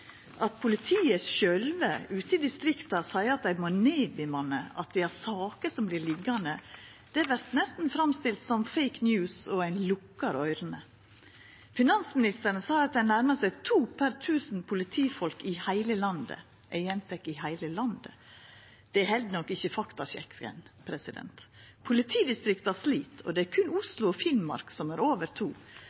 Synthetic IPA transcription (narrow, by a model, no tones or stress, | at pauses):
ʔɑt̪pʰʊlɪt̪ʰiːəsʃœlʋəʉːt̪əɪd̪ɪst̪ɾɪkt̪ɑsæɪəɑt̪d̪æɪmoneːbɪmɑnəɑ̰t̪̚d̪ɛæɾsɑːkəsɔmblɪɾlɪɡɑnə | d̪̥ɛæʋæɾt̪nɛst̪n̩fɾɑmst̪ɪlt̪sɔmfɛɪknjʉːsɔæɪnlʊkːɑɾœʏɾənə | fɪnɑnsmɪnɪst̪əɾnəsɑːɑt̪̚d̪ɛnnæɾməsæɪt̪ʰuːpʰæɾt̪ʰʉːsn̩pʰʊlɪt̪ʰiːfɔlkɪhæɪləlɑnd̪ə̰ | ʔæɪjɛnt̪ʰɛkːɪhæɪləlɑnd̪ə̰ | d̪̥ɛæhɛld̪nɔkːɪçəfɑkt̪ɑɕɛ̰kʰːə̰npʰɾɛsɪd̪ɛ̰nt̪pʰʊlɪt̪ʰiːd̪ɪst̪ɾɪkt̪æsliːt̪ʰɔ̰d̪ɛæɾkʰʉnʊslʊɔfɪnmɑ̰ɾksɔmæːɾoːʋəɾt̪ʰuː